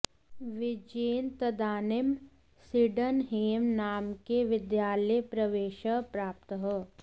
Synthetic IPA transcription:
ʋɪd͡ʒeːnt̪əd̪aːnɪm | siɖənɦeːmnaːmkeʋɪd̪jaːlejpɾɐʋeːʃəpɾaːp̚t̪əɦə

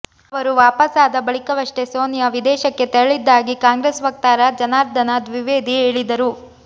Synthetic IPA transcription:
ɐʋɐɾuʋaːpɐsaːd̪ɐbɐɭikɐʋɐʂʈe̞soːnjɐʋid̪ɛːʃɐkːe̞t̪ɛɾɐɭid̪ːaːɡikaːŋɡɾeːsʋɐk̚t̪aːɾad͡ʒɐnaːɾd̪ɐnɐd̪ʋiʋeːd̪ieːɭid̪ɐɾu

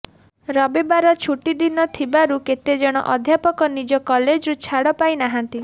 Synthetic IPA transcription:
ɾɔbebaɾɔt͡ʃʰuʈid̪inɔt̪ʰibaɾuket̪ed͡ʒɔɽ̃ɔ̰ʔɔd̪ʱjapɔkɔnid͡ʒɔkɔled͡ʒɾut͡ʃʰaɽɔpajnaɦant̪i

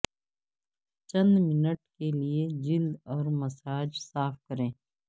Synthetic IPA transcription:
t͡ʃɐ̃nd̪mɪnəʈkelied͡ʒɪld̪ɔːɾmɐsaːd͡ʒsaːfkɐɾẽː

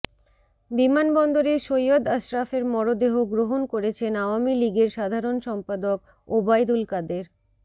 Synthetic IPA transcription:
bimanbɔnd̪oɾeʃojod̪aʃɾafeɾmɔɾod̪eɦoɡɾoɦonkoɾet͡ɕʰenaoamiliɡeɾʃad̪ʱaɾonʃɔmpad̪ok | obajd̪ulkad̪eɾ

